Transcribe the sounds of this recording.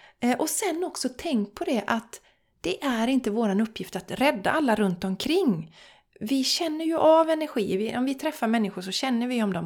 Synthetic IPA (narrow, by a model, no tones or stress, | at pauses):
ʔɔsɛnːɔksɔt̪ʰɛŋk̚pʰɔd̪ɛʔat̪ | d̪̥ɛʔæɾɪnt̪əvoːɾanɵpʰːjɪft̪at̪ɾɛd̪ːa̰ʔalːaɾɵnt̪ɔmkʰɾɪŋː | vɪɕɛnːəɾjɵʔavɛnæɾɧiːvɪʔɔmvɪt̪ʰɾɛfːaɾmɛnːɪɧʊʂɔɕɛnːəɾvɪɔmd̪ɔm